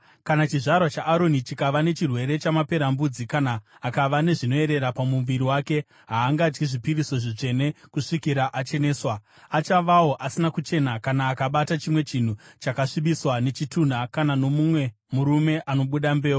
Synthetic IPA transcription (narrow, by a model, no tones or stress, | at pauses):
kanat͡ʃiʐarwat͡ʃaʔːɾo̞nit͡ʃikaʋane̞t͡ʃirwe̞ɾe̞t͡ʃamape̞ɾambud͡zikanaːkaʋane̞ʐino̞e̞ɾe̞ɾapamuʋiɾiwaːke̞ | ɦaːŋɡaːd͡ʒɡiʐipiriso̞ʐit͡ʂe̞ne̞kuʂikiɾaʔat͡ʃe̞neːswa | at͡ʃaʋawo̞ʔasinakut͡ʃe̞nakanaːkaɓatat͡ʃimwe̞t͡ʃin̤ut͡ʃakaʂiɓiswane̞t͡ʃitun̤akanano̞mumwe̞ | muɾume̞ʔano̞ɓuɗambe̞ːo